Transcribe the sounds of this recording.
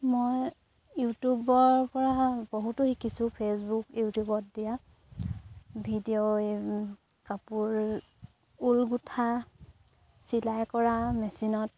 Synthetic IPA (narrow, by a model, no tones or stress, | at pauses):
moj | jutubɔɹpɔɹabɔɦutʊhikisʊpʰesbukjutubɔt̚dija | bʱidijoe | kapuɹ | ulɡutʰa | silajkɔɹamɛsinɔt̚